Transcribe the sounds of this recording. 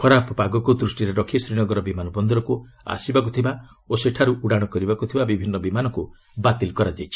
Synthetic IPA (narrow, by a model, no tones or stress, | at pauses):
pʰɔɾapɔpaɡɔkud̪ɾusʈiɾeɾɔkʰisɾiɽ̃ɔɡɔɾɔbimanɔbɔnd̪ɔɾɔku | a̰sibak̬ut̪ʰiba | oseʈʰaɾuʔuɽaɽ̃ɔkɔɾibakut̪ʰibabibʱinːɔbimanɔku | bat̪ilkɔɾad͡ʒajt͡ʃʰi̥